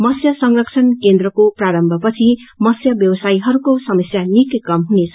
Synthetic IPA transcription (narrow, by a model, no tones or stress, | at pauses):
mʌsjʌsʌŋrʌkt͡sʰʌnkend̪rʌkopraɾʌmbʱʌpʌt͡sʰimʌsjʌbjʌwʌsaiɦʌɾukosʌmʌsjanikkʌmɦunet͡sʰʌ